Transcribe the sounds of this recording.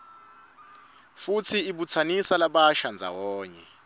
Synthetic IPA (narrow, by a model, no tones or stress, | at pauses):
fut͡sʰiiɓut͡sʰanisalaɓaʃand͡zʱa̰wɔːɲɛ